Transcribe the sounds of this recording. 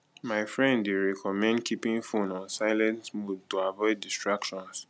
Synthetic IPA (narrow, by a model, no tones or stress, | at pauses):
maɪfɹɛ̃ndeɹɛkʰɔmɛ̃ndkʰipĩŋfũnɔ̃nsaɪlɛ̃ntmud̚toavɔɪd̚istɹakʃɔ̃ns